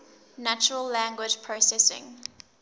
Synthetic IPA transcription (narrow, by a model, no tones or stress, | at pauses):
nat͡ʃəɹəlːæ̃ŋɡwɪd͡ʒpʰɹosɛsɪ̰̃ŋ